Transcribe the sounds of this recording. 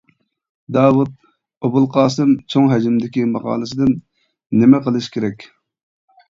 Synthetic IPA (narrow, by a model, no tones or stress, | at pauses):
d̪ɑːwut̪̚ | obʊlˠqɑːs̬ɨmt͡ʃʰoŋɦɛd͡ʒɪmd̪ɪkʲimɑqɑ̰ːlˠɨsɨd̪ɪnː | ɪmɛqəlˠɨʃkʲʰeɾɛkʲ